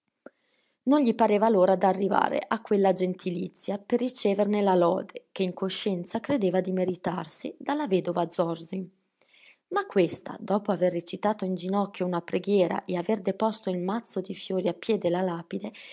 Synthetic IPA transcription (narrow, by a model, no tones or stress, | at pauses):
nonʎipaɾeːvaloːɾad̪arːiva̰ːɾḛʔakːwelːad͡ʒent̪ʰilit̪sːjaperːit͡ʃeːvernelalɔ̰ːd̪ekeiŋkoʃːɛnt̪sakɾed̪eːvad̪imeɾit̪arsid̪alːavɛːd̪ovad̪zɔrziŋ | makːwest̪a̰d̪ɔːpoaverːet͡ʃit̪aːt̪oind͡ʒinɔkːjounapɾeɡjɛːɾa̰ʔeaverd̪epɔst̪oilmat̪sːod̪ifjoːɾiapːjɛːd̪elalaːpid̪e